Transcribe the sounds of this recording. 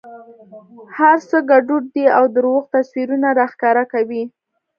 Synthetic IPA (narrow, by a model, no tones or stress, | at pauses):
haɾsəɡaɖuɖ̚d̪iawd̪əɾoɣt̪aswiɾunaɾɑxkɑɾakawi